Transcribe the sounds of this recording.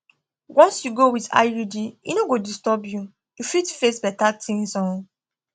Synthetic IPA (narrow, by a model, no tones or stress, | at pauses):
wʔɔ̃nsjuɡowita̰judiḭnoɡodistɔbju | jufitfesbɛtatʰĩŋsɔ̃